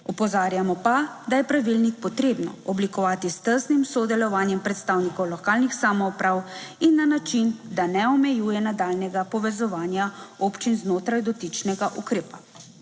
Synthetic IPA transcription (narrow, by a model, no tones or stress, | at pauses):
ɔpɔzaːɾjamɔpad̪ajɛpɾaʋilnik̚pɔt̪ɾeːbnɔ̰ɔblikɔʋaːt̪ist̪əɾsnimsɔd̪ɛlɔʋaːnjɛmpɾɛt̪st̪aːwnikɔwlɔkaːlnixsaːmɔupɾaːwinːanat͡ʃind̪anɛɔmɛjuːjɛnad̪aːlnɛɡapɔʋɛzɔʋaːnjaopt͡ʃinznoːt̪ɾajd̪ɔt̪it͡ʃnɛɡaʔukɾeːpa